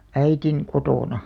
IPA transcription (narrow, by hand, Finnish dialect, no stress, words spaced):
æitin kotoˑnɑ